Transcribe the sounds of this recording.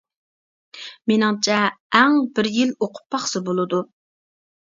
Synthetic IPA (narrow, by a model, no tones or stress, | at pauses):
menɪŋt͡ʃʰɛːŋbɪɾjiloqʰʊ̥pʰːɑχsɨbolˠɨd̪u